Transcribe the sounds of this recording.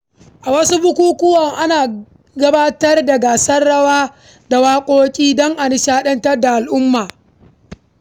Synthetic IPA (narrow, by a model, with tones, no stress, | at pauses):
ʔa˨wɐ˦su˦bʊ˦kʷuː˦kʷʊ˦wɔ˨ŋʔa˦naː˨ | ɡɐ˦baː˦tɐ˦rda˨ɡaː˨sɐ˦rɽɐ˦waː˦ | da˨waː˦kʷʼoː˦kʲʼiː˦dɔ˦ŋʔa˨nɪ˦ʃaː˦ɗɐ˦ntɐ˦rda˨ʔa˨lʔʊ˦mːaː˨